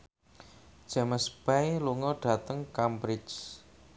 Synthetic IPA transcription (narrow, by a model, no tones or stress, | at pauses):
d̥d͡ʒ̥ɛ̤məspajluŋɔɖ̥a̤t̪əŋkambɾɪt͡ʃ